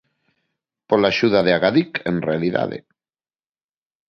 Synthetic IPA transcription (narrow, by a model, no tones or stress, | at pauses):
polaʃuðaðeaɣaðikenrealiða̰ðḛ